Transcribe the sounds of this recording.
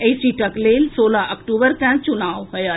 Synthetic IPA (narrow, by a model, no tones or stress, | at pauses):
esiʈəkleːlsoːlaʔəkʈubəɾkɛ̃t͡ʃunaːwɦɔja